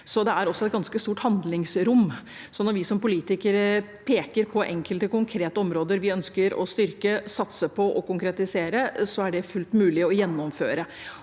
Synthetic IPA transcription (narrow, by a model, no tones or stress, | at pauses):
sɔd̪ɛæɾɔsɔɛt̪̚ɡɑnskəst̪uːʈhɑnd̪lɪŋsɾʊmː | sɔnɔɾʋɪsɔmpʊliːt̪ɪkəɾə | pʰeːkəɾpʰɔʔɛ̰ŋkʰəlt̪əkʊŋkʰɾeːt̪əɔmɾoːd̪əɾʋɪœnskəɾɔ̰st̪ʏɾkəsɑt̪səpʰɔʔɔkʊŋkɾɛt̪ɪseːɾəsɔæɖɛfʉlt̪mʉːlɪɔjɛnːɔmføːɾə